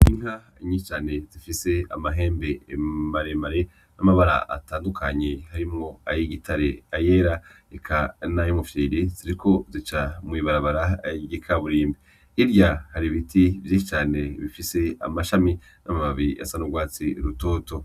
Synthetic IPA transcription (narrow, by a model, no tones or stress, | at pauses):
iŋ̥ha | iɲit͡ʃaːne̞zifise̞a̰maɦe̞ːmbe̞ːmaɾe̞maɾe̞ | namaβaɾa̰ʔa̰taːndukʰaɲehaɾimŋo̞ajiɡitʰaɾe̞aje̞ːɾa | ekʰanajomufiɾiziɾikʰo̞zit͡ʃamwiβaɾaβaɾajiɡikʰaβuɾiːmbiː | ɾjahaɾiβitʰivjiːʃit͡ʃaːne̞βifise̞a̰maʃami | namaβaβia̰sanuɡwaːt͡siɾuto̞ːto̞